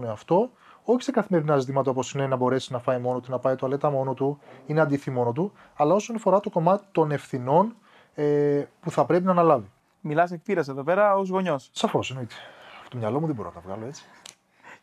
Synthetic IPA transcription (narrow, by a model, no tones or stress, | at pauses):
neɐft̪o̞ | o̞çi̥sekɐθime̞ɾinɐzit̪imɐt̪̬ɐopo̞sinenɐbo̞ɾe̞siznɐfɐjmo̞not̪unɐpɐjt̪oɐle̞t̪ɐmo̞no̞t̪uineɐd̪iθimo̞no̞t̪̬u | ɐlɐo̞so̞nɐfo̞ɾɐt̪o̞ko̞mɐt̪i̥t̪o̞ne̞fθino̞n | epuθɐpɾe̞p̬inɐnɐlɐvi | milɐsekfiɾɐseðo̞peɾɐozɣo̞ɲossɐfo̞seno̞it̪e̥fo̥t̪omɲɐlo̞muðebo̞ɾonɐ̰t̪ɐvɣɐ̰lo̞e̞t͡si̥